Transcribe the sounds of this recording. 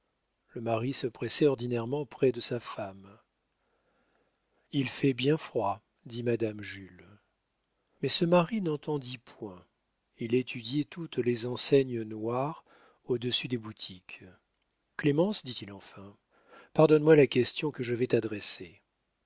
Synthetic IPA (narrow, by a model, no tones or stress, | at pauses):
ləmaʁisəpχɛsɛɔʁd̪inɛʁmɑ̃pχɛd̪əsafam | ilfɛbjɛ̃fχwa | d̪imad̪amʒyl | mɛsəmaʁinɑ̃t̪ɑ̃d̪ipʰwɛ̃ | ilet̪ʰyd̪jɛt̪ut̪lezɑ̃sɛɲənwaʁ | od̪əsyd̪ebut̪ʰik | klemɑ̃sd̪it̪ilɑ̃fɛ̃ | paʁd̪ɔnmwalakʲɛst̪jɔ̃kəʒəvɛt̪ad̪ʁɛse